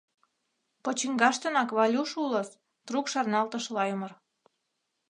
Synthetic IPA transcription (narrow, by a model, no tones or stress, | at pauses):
pot͡ɕiŋɡɑʃt̪ɤnɑkβɑlʲuʃulɤ̆s | t̪ɾukʃɑrnɑlt̪ə̆ʃlɑjumər